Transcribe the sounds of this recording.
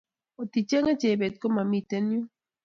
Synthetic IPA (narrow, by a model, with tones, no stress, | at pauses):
o˨t̪i˨t͡ʃe˦ŋa˦t͡ʃe˨be˨t̪̚ko˦ma˨mi˧t̪e˦nju˦